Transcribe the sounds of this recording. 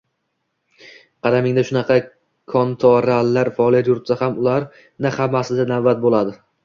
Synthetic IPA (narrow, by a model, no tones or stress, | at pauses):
qʰɑd̪amɪŋd̪aʃʊnɑqʰɑ | kʰɒnt̪ʰɒɾalːaɾfaɒlˠijat̪jʊɾt̪sahamʊlaɾ | nɪhamːasɪd̪anavbat̪̚bolˠad̪ɪ